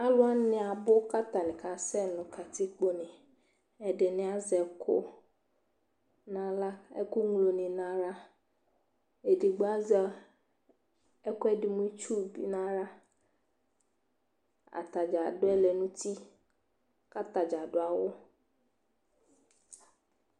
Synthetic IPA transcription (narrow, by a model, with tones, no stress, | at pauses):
a˦lʊ˦a˦nɪ̃˨a˨bʊ˦ka˦t̪a˨nɪ̃˨ka˨sɛ˦nʊ̃˨kʰa˨t̪ʰɪ˦k͡po˦nɪ̃˨ | ɛ˨dɪ˨nɪ̃˨a˨zɛ˨kʰʊ̰˦ | nã˦la˦ɛ̰˦ku˦ŋ˦˨lo˨nɪ̃˨nã˨ɾa˦ | e˨dɪ˨ɡ͡ba˦zɛ˨ | ɛ˦kʊ˦ɛ˦dɪ˨mũ˦t͡ʃu˦˨bḭ˦nã˦ɾa˦ | a̰˨t̪a˨d͡ʒa˨dʊ˦ɛ˦lɛ˨nũ˦t̪i˦ | ka˦t̪a˨d͡ʒa˨ɖʊ˦a˨wo˦